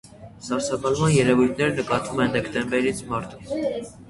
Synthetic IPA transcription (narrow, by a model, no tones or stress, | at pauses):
sɑɾsɑkɑlmɑnjɛɾɛvujt̪ʰnɛɾənəkɑt̪vumɛnd̪ɛkt̪ɛmbɛɾit͡sʰmɑɾt̪ʰu̥